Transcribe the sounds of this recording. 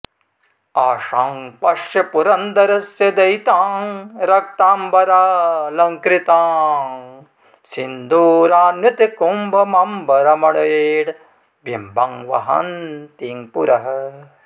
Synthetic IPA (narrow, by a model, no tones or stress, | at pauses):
aːʂaːŋpɐʂjɐpuɾɐnd̪ɐɾɐsjɐd̪ɐjt̪aːŋɾɐk̚t̪aːmbɐɾalɐŋkɾit̪aːŋ | sind̪uːɾaːnʋɐt̪ikumbʱɐmɐmbʱɐɾɐmɐɭɐjeːɽ | bjimbʱɐŋʋɐ̰ɦɐ̰nt̪iːŋpuɾɐɦɐ